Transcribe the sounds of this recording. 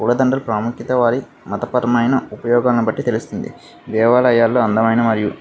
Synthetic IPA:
kuːɭɐd̪ɐɳɖɐlpɾaːmukjit̪ɐʋaːɾi | mɐt̪ɐpɐɾɐmɐjnɐupɐjɔːɡaːlɐnibɐʈːit̪elust̪und̪ḭ | d̪ɛːʋaːlɐjaːlːo̞ːɐnd̪ɐmɐjnɐmɐɾiju

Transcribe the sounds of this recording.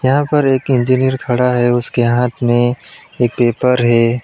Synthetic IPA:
jɐɦãpɐɾeːkɪ̃ɲd͡ʒinijəɾkʰɐɽaɦɛʊskeɦaːt̪ʰmẽeːk̚peːpəɾɦɛː

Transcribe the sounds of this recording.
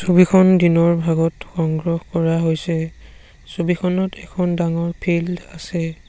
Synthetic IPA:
sobikʰɔndinɔɹbʱaɡɔtxɔŋɡɹɔxkɔɹaɦojsɛ | sobikʰɔnɔtɛ̰kʰɔndaŋɔɹpʰilda̰sɛ

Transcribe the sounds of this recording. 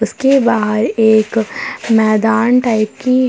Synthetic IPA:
ʊskebaːd̪eːkmɛːd̪aːnʈaːɪp̚ki

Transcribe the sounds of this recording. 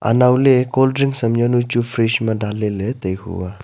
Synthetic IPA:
ʔa̰nawlekoldɾiŋsəmjanut͡ʃufʰɾiʃmadalelet̪əjhṵwa

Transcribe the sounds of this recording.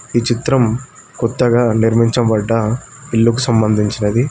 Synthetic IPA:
iːt͡ʃit̪ɾɐm | kɔt̪ːɐɡaːniɾmiɲt͡ʃɐmbɐɖːɐ | pilːukusɐmbɐnd̪ʱiɲt͡ʃinɐd̪i

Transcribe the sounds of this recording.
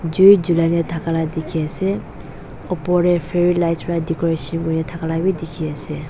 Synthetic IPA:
d͡ʒujd͡ʒulajnɛtʰakaladekʰiasɛ | ɔpɔɹɛpʰeɹilajsɹadikɔɹesɔnɡɔnɛtʰakalabidekʰiasɛ

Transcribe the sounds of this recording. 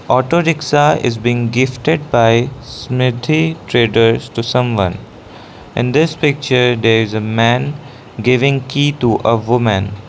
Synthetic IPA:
ɔːʈoːɾɪksaɪ̰zbĩːŋɡɪfʈeɖ̚baɪsmɪd̪ʰʱiʈɾeːɖəɾz̥ʈusʌ̃mʋʌ̰̃n | ɪ̰̃nd̪ɪspɪk̚t͡ʃəɾd̪eɾɪzəmæ̃n | ɡɪʋɪ̃ŋkiːʈuʔəʋʊmə̃n

